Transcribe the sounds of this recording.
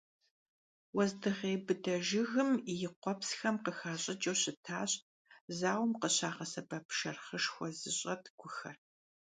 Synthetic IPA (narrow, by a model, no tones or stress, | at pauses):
wɔzdɨʁeːbɨdɐʒɪɣɨmjɪqʷɔpsxɐmqəxaːɕʼɪd͡ʒʼɐwɕɪtʰaːɕʼ | zaːwmqəɕaːʁɐsɐbɐpʃɐrχəʂxʷɔzɨɕʼɐtʰɡʷʰʊxɐr